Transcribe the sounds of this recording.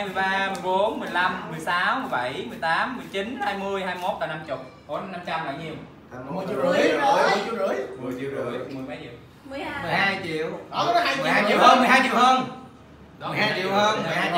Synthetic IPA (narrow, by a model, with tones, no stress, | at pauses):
jmɨ˧˩əjɓaː˧mɨ˨˩əjɓo˨˦nmɨ˨˩əjla˧mːɨ˨˩jsaː˨˦wmɨ˨˩əjɓa˧˩jmɨ˨˩əjt̪aː˨˦mːɨ˨˩əjt͡ɕi˨˦nhaː˧jmɨ˧əjhaː˧jmo˦˥t̚kaː˧˨˩na˧mt͡ɕʊ˨˩k͡p̚ho˨˩˦na˧na˧mt͡ɕa˧mla̰ː˧˨jɲi˧w | ɨ˧˨˧t͡ɕi˧˨wɨ˧˩əjmɨ˨˩əjt͡ɕḭ˨wɨ̰˧˩jmɨ˨˩jɓa˨˦jt͡ɕḭ˧˩˨w | m˨˩mɨ˨˩jhaː˧jt͡ɕḭ˧˨əwɔ˨˦˨aː˧jjhaː˧jt͡ɕḭ˨whəː˧nmɨ˨˩jɦaː˧jt͡ɕʊ̰˧˨˩whəː˧n | aː˨haː˧jt͡ɕḭ˧˨whəː˧nm˨˩jhaː˧j